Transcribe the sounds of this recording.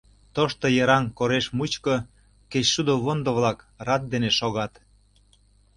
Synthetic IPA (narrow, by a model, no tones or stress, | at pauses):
t̪oʃt̪ojəɾɑŋkoɾeʃmut͡ɕko | ket͡ɕʃud̪oβond̪ŏβlɑk | rɑt̪̚d̪eneʃoɣɑt̪